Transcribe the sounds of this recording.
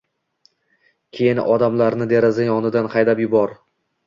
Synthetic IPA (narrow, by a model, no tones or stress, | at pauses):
kʲʰe̞jɪnʔɒd̪amlaɾnɪd̪eɾazajɒnɪd̪anqʰɑjd̪apjʊbɒɾ